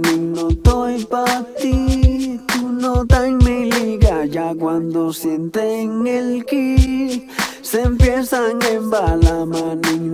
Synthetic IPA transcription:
niŋnot̪ojpat̪it̪unot̪aŋmeliɣajakwand̪osjent̪eŋelki | sempjesaŋembalamaniŋ

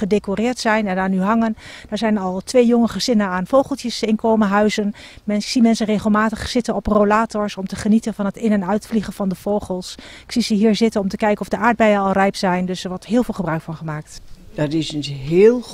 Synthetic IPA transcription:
χədekorɪːɹtsɛjnɛndaɹnyɦɑŋənd̥aːɹzɛjnɑlˠtʋejjɔŋəχəzɪnəaːnfowχəlˠtjəsɪnkowməɦœɥzənmɛnsimɛnsənreχəlˠmaːtəχsɪtənɔprolaːtɔɹsɔmtəχənitənvɑnɦətɪnɛnœɥtfliχəv̥ɑndəv̥owχəlˠsɪksizəɦiːɹzɪtənɔmtəkɛjkənɔvdəʔaːɹd̚bɛjəɑlˠrɛjpsɛjndɵsɛɹʋɔɹtɦɪːlˠvɪːlˠχəbrœɥkfɑnχəmaːk̚td̥ɑtɪsənɦɪːlˠ

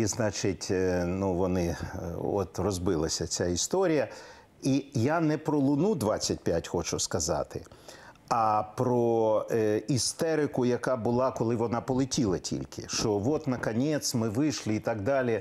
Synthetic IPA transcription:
iznɑt͡ʃɪtʲnuʋɔnɪɔ̰t̪rɔzbɪlˠɐsʲɐt͡sʲaist̪ɔɾʲijɐ | ijanɛpɾɔlˠʊnud̪ʋɑt͡sʲːɐt̚ʲpʲjatʲxɔt͡ʃʊskɐzɑ̰t̪ɪ | ɐpɾɔ | ist̪ɛɾɪkʊjɐkɑbʊlˠɑkɔlˠɪʋɔnɑpɔlˠɪtʲilˠɐtʲʰḭlʲkʰɪ̰ʃt͡ʃɔʋɔt̪nɐkɐnʲɛt̪smɪʋɪʃlʲɪit̪ɑɡ̚d̪ɑlʲi

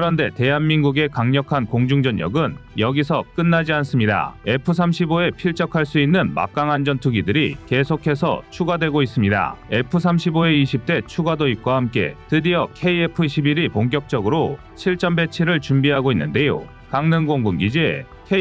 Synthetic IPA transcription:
kɯɾʌnde̞te̞ɦanminɡuɡe̞kaŋɲʌkʰankoŋd͡ʑuŋd͡ʑʌɲjʌ̰ɡɯnjʌɡisʰʌk͈ɯnːad͡ʑians͈ɯmɲida̰e̞pʰɯsʰamɕʰiboe̞pʰiɭt͡ɕ͈ʌkʰaɭs͈uinːɯnma̰k̚k͈aŋand͡ʑʌntʰuɡidɯɾike̞sʰokʰe̞sʰʌ̰t͡ɕʰuɡadwe̞ɡois͈ɯmɲida̰e̞pʰɯsʰamɕʰiboe̞iɕʰip̚t͈e̞t͡ɕʰuɡadoit̚k͈wahamk͈e̞̰tɯdiʌkʰe̞iepʰɯɕʰibiɾipoŋk̬jʌk̚t͡ɕ͈ʌɡɯɾo | t͡ɕʰiɭt͡ɕ͈ʌmbe̞t͡ɕʰiɾɯɭt͡ɕumbiɦaɡoinːɯnde̞jo̰ | kaŋnɯnɡoŋɡumɡid͡ʑi | kʰe

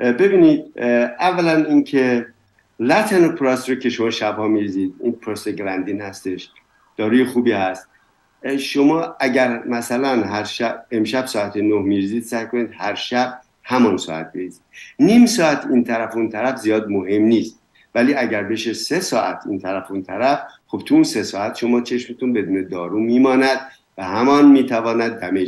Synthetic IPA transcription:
be̞biːniːd̪̚ævːælæninkʰe | læt̪ʰenopʰɾɑsɾocʰe̞ʃo̞mɒːʃæbhɒːmiɾiziːd̪ḭnpʰɾɒseɡɾænd̪inhæst̪e̞ʃ | d̪̥ɒːɾujexuːbiːhæst̪̚ | ʃomɒːæɟæɾmæsælænɦæɾʃæbe̞mʃæbsɒːæt̪ʰenohmiɾiziːd̪sæjko̞niːd̪̚hæɾʃæb̥̚ | hæmɒːnsɒ̰ːæ̰t̪̚beizid̪niːmsɒːæt̪ʰint̪ʰæɾæfunt̪ʰæɾæfzijɒːd̪moɦe̞mniːst̪̚ | væliːæɟæɾbe̞ʃese̞sɒːʔæt̪ʰḭːnt̪ʰæɾæfunt̪ʰæɾæfxo̞b̥̚t̪ʰuunse̞sɒːæt̪ʃo̞mɒːt͡ʃʰe̞ʃmet̪ʰunbe̞d̪uːned̪ɒːɾumiːmɒːnæd̪̥̚ | væhæmɒnmiːt̪ʰævɒːnæd̪̚ːæme

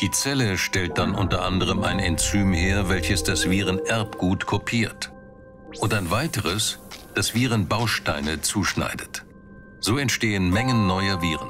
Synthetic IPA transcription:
d̥iːt͡sɛləʃtɛlt̚d̥anʔʊntɐʔandəʁ̞əma̰ɪnɛnt͡syːmheːɐvɛlçəsd̥asv̥iːʁənʔɛɐpɡ̥uːtkʰɔpʰiːɐt | ʔʊntaɪnvaɪtəʁəsd̥asv̥iːʁənbaʊʃtaɪnət͡suːʃna̰ɪdət | z̥oːɛntʃteːənmɛŋənːɔʏɐviːʁən

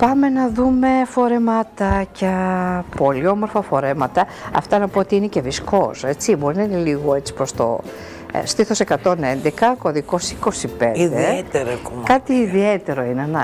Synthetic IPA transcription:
pɐme̞nɐðume̞fo̞ɾe̞mɐt̪ɐcɐpo̞liomo̞ɾfɐfo̞ɾe̞mɐt̪ɐ | ɐ̰ft̪ɐnɐpoot̪iinece̞visko̞se̞t͡sibo̞ɾinɐineliɣoe̞t͡si̥pɾost̪o̞̰ | st̪iθo̞se̞kɐt̪o̞ne̞nd̪ekɐko̞ðiko̞siko̞sipḛniðd̪eet̪eɾɐɐkumkɐt̪iːðiet̪e̞ɾo̞ineɐnɐ

